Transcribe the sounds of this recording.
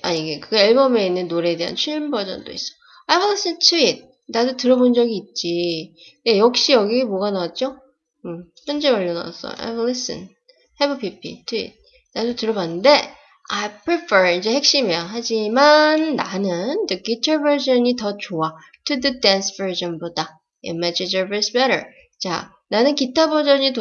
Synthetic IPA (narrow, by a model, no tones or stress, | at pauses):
aiɡe̞kɯɡiɭbʌme̞inːɯnːoɾe̞de̞ɦa̰nt͡ɕʰiɭmbʌd͡ʑʌ̰ndo̰ḭs͈ʌ̥ | ajwolis͈ɯntʰuit̚ | nadotɯɾʌbond͡ʑʌɡiːt̚t͡ɕ͈i | nejʌk̚ɕ͈ijʌɡimʌɡanawat̚t͡ɕ͈o | ɯçjʌnd͡ʑeʌʎːʌna̰sʰʌ̰a̰jwolis͈ɯ̰n | hebʌpʰipʰḭtʰuḭt̚ | nadotɯɾʌbanːɯnde̞ | ajpʰɹipʰe˞id͡ʑe̞he̞k̚ɕ͈imjʌʌɦad͡ʑimanːanɯndɯkitʰaɭbeɭd͡ʑʌɲitʌt͡ɕoa | tʰɯdɯdansv̥ə˞d͡ʑʌnboda | ḭmːad͡ʑid͡ʑəbesbeɾə̰ɭ | t͡ɕa̰ | nanɯnkitʰabʌd͡ʑʌɲit